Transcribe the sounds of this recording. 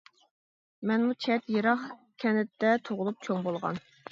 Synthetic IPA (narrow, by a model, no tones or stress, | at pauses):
mɛnmut͡ʃʰɛt̪jeɾɑχ | kʲʰɛnɪt̪ːɛt̪ʰoʁʊlˠup̚t͡ʃʰoŋbolˠʁɑ̰n